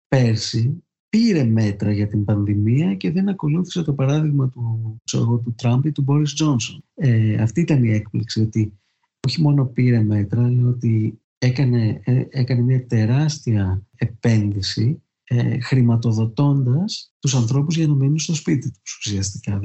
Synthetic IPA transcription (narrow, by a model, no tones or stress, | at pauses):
pe̞ɾsi | piɾe̞me̞t̪ɾɐʝɐt̪imbɐnðimiɐce̞ðe̞nɐko̞luθi̥se̞t̪opɐɾɐðiɣmɐt̪usoɣo̞t̪̬ut̪ɾɐmpit̪ubo̞ɾizd͡ʒo̞nsoneɐft̪iit̪ɐnie̞k̚pliksio̞t̪i | o̞çimo̞no̞piɾe̞me̞t̪ɾɐlo̞t̪i | e̞kɐneekɐne̞mɲɐt̪e̞ɾɐst̪iɐepe̞nðisi | xɾimɐt̪o̞ðo̞t̪o̞nd̪ɐst̪usɐnθɾo̞puzʝɐnɐminunst̪o̞spit̪it̪u̥su̥siɐst̪ikɐ